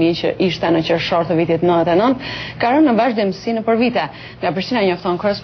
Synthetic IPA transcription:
it͡ɕə̰ʔiʃt̪ɛnət͡ɕəɾʃɔɾt̪əvit̪it̪nəðɛt̪ɛnənt̪kaɾənːəvaʒd̪imsinəpəɾvit̪ɛ | ŋɡapɾiʃt̪inaɛɲɔft̪ɔnkəɾəs

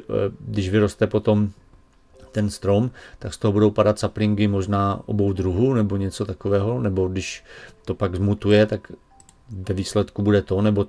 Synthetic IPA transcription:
dɪʒvɪɾo̞st̪ɛpo̞t̪o̞m | t̪ɛnst̪ɾomt̪akst̪oɦobudo̞wpadat̪saplɪŋkɪmo̞ʒnaːʔo̰bo̞wd̪ɾuɦunɛbo̞ɲɛt͡so̞t̪akovɛːɦo̞nɛbo̞dɪʃt̪o̞paɡzmut̪ujɛt̪ak | vɛviːslɛt̪kubudɛt̪o̞nɛbo̞

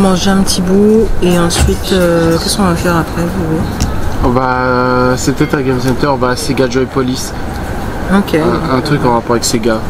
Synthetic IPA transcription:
mɑ̃ʒeɛ̃pət̪ʰibueɑ̃sɥit̪økʲɛskɔ̃vafɛʁapχɛvuwĩ | baøsɛət̪ɛt̪ɛ̃ɡɛmsɛ̃nt̪œʁbaseɡaʒɔepɔlis | okʰʲeɛ̃t̪χykɑ̃ʁapɔʁavɛkseɡa

